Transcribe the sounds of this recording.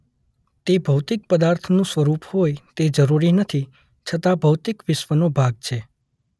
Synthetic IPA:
t̪ebʱəwt̪ɪk̚pəd̪aɾt̪ʰnũsʋəɾuphojt̪ed͡ʒəɾuɾinət̪ʰi | t͡ʃʰət̪abʱəwt̪ɪkʋɪʃʋənobʱaɡ̚t͡ʃʰe

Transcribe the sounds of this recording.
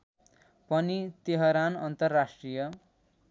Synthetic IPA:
pʌnit̪eɦʌɾanʌnt̪ʌrːasʈrijʌ

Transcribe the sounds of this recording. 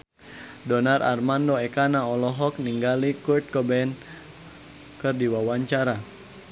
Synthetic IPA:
dɔnarʔa̰rmandɔɛkanaɔlɔɦɔk̚niŋɡalikurt̪̚kɔbɛn | kɨrdiwawaɲt͡ʃaɾa

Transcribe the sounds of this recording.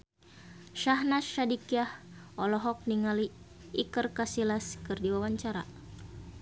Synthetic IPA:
ʃahnaʃadikiah | ɔlɔɦɔk̚niŋaliː | kərkasilaskɨrdiwawaɲt͡ʃaɾa̰

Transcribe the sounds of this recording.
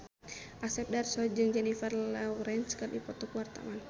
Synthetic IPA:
ʔasɛp̚darsɔd͡ʒɨŋd͡ʒɛnifɛrlawɾɛnskərdipɔt̪ɔkuwart̪a̰wan

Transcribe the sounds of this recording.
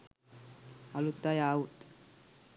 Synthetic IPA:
alut̪ːajaːut̪

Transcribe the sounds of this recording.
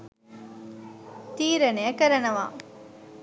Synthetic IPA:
t̪iːɾɐnejɐkɐɾɐnɐʋa̰ː

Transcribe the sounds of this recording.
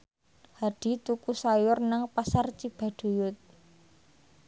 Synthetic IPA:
haɖ̥i̤t̪ukusajʊrnaŋpasart͡ʃib̥a̤ɖ̪̥o̤jʊt̪̚

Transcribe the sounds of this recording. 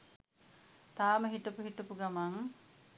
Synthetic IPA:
t̪aːməɦiʈəpuɦiʈɐpuɡamaŋ

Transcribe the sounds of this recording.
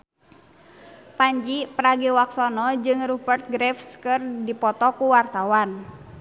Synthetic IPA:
paɲd͡ʒipəɾaɡiwaksɔnɔd͡ʒɨŋrubərt̪̚ɡɾɛfskɨrdipɔt̪ɔkuwart̪awan

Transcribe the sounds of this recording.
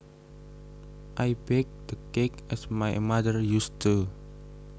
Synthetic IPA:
ʔajbɛk̚d̪əkɛkɛsmajmad̪ərjust̪ə

